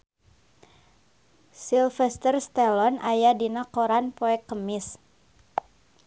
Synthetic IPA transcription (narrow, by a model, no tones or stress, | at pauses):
silfɛst̪ərst̪ɛlɔnajadinakoɾanpɔɛkəmɪs